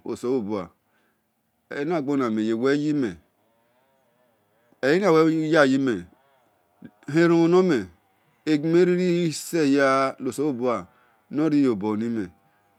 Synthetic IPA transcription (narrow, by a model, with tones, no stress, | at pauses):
o̰˨so˨˦wo˨bu˨a˨ | e˨˦n˦a˦˨ɡ͡bo˦na˨me˨je˨we˦ji˦me˨ | e˨ji˦na˦˨we˦ja˦˨ji˦me˨ | ɦe˦ɾo˦o˨no˦me˨ | e˨ɡi˨me˦ɾi˦ɾi˦se˦˨ja˦lo˨so˦wo˦˨bu˦a˨ | no˦ɾi˦jo˨bo˨ni˦me˨